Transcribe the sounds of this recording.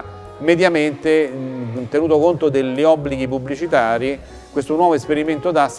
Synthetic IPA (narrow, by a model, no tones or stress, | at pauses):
med̪jament̪et̪enuːt̪okont̪od̪eʎːiɔbːliɡip̬ubːlit͡ʃit̪aːɾi | kwest̪onwɔːvoespeɾiment̪od̪as